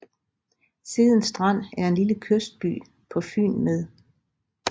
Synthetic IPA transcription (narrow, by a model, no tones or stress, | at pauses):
siːð̞ˠən̩sd̥ʁɑn̰æɐe̝nliləkʰøsd̥̚b̥y̰ː | pʰɒ̽fy̰ːnmeð̞ˠ